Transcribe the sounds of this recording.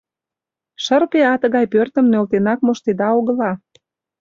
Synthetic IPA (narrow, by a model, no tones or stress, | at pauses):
ʃərpeɑt̪əɣɑjpørt̪ə̆mnølt̪enɑk̚moʃt̪ed̪ɑoɣəlɑ